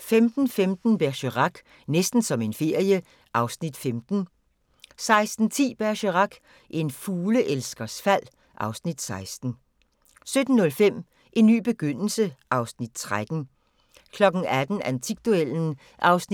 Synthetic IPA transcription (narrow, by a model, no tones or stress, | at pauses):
femd̥n̩femd̥n̩b̥æɐɕəʁɑ̈ɡ̥ | nesd̥n̩sɒ̽me̝nfe̝ɐ̰jə | ʔɑ̈ʊsnid̥femd̥n̩ | sɑ̈ɪsd̥n̩t͡sʰḭːb̥æɐɕəʁɑ̈ɡ̥ | ʔe̝nfuːləʔelsɡ̥ɐsfæl̰ | ʔɑ̈ʊsnid̥sɑ̈ɪsd̥n̩ | sød̥n̩ːɔ̽lfem̰ | ʔe̝nːy̰ːb̥e̝ɡ̥øn̰l̩səʔɑ̈ʊsnid̥̚t͡sʰʁad̥n̩ | kʰlɒ̽ɡ̥n̩æd̥n̩ænt͡sʰiɡ̥̚d̥uel̰n̩ | ʔɑ̈ʊsn